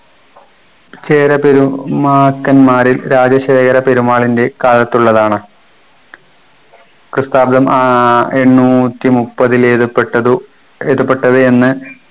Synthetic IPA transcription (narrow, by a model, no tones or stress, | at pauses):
t͡ɕe̞ːɾɐpeɾumaːkːɐnmaːɾilɾaːd͡ʑjɐɕeːkʰɐɾɐpe̞ɾumaːɭinde̞kaːlɐt̪ːuɭːɐðaːɳɨ | krɨst̪aːbd̪ɐmaeɳːuːt̪ːimupːɐðileðpːʈːɐu | eðupːe̞ʈːɐðɨe̞nːɨ